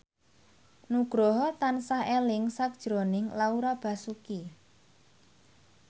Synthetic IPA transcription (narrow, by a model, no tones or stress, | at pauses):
nuɡ̥ɾɔɦɔt̪ansahelɪŋsak̚d̥ʒ̥ɾonɪŋlauɾab̥ä̤suki